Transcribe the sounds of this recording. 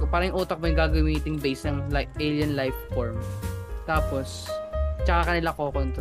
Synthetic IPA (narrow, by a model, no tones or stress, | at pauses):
paːɾɐjŋʔuːt̪ɐk̚mojʊɡaːɡɐmiːt̪ɪŋbejsnɐŋlaʔeljɐnlajfːoɹmt̪aːpos | t͡ʃɐkakɐnɪlakoɐkoɪnt̪